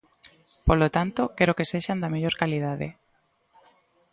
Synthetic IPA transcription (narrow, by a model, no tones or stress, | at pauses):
polot̪ant̪okeɾokeseʃand̪ameʎoɾkalið̞aðḛ